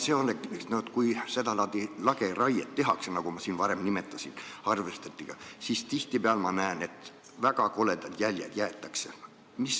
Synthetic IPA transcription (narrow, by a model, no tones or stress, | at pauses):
seolekeksnoet̪kujse̞d̪ɑlɑt̪ilɑɡ̥erɑjet̪ːe̞ɦɑksenɑɡ̥umɑsiːnvɑɾemnime̞t̪ːˑɑsinɑrvest̪ɑt̪ːˑiɡ̥ɑsist̪iht̪ibeɑlmɑnæːne̞t̪ | væɡ̥ɑko̞le̞d̪ɑd̪̥jælʲjḛd̪jæet̪ːˑɑkse | mis